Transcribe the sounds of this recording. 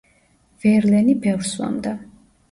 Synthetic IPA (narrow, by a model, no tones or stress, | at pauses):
vɛɾlɛnibɛvɾswa̰md̪a